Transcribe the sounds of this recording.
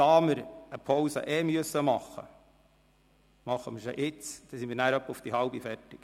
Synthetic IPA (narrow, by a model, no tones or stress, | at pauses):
ɑːməɾəpʰɔwsə̰ʔɛːmyəsːəmɑχːə̰ | mɑχːəməɾso̰ʔɪt͡sd̥̪ɛsimiːɾnæːɾœpːəufd̪̥ihɑwbifɛrtɪk